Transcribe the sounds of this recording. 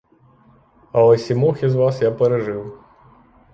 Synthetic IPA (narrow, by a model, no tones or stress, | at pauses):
ɐwɐsʲimɔxʲizʋasjapɛɾɛʐɨw